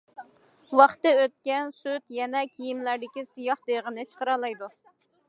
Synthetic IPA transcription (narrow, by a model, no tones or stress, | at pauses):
wɑχt̪ɨøt̪̚kʲɛnsyt̪jɛnɛkʲʰijimlæɾd̪ɪkʲisɨjɑχd̪eʁənɨt͡ʃʰə̥qəɾɑlˠɑjd̪u